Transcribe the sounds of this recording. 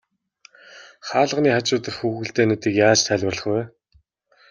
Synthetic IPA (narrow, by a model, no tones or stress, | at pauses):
χaːɮə̆ʁniːχat͡ɕʊːt̪ə̆rxuːxɘ̆ɮt̪eːnet̪iːkjaːt͡ɕt̪ʰæɮʲwə̆rɮə̆χwæː